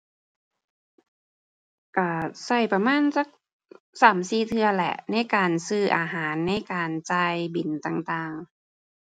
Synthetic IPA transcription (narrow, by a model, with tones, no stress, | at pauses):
ʔaː˧˩sa˧˩jpa˧maː˧˥˨nsa˧˥˩k̚ | saː˩˦msiː˧˩t̪ʰɯ˧ɐlɛ̰˧˩ʔna˧˥˩jkaː˨nsɯː˧˩ʔaː˧ɦaː˩˦nːa˧˥˩jkaː˨nt͡ɕaː˧jbi˨˩nt̪aː˧ŋt̪aː˧ŋ